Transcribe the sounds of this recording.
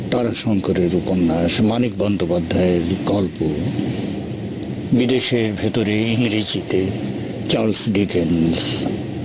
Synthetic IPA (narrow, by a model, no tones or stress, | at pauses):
t̪aɾaʃɔŋkoɾeɾuponːaʃmanik̚bɔnd̪opad̪ʱːaeɾkɔlpo | bid̪eʃeɾbʱet̪oɾeiŋɾid͡ʑit̪e | t͡ɕalsɖikenɖs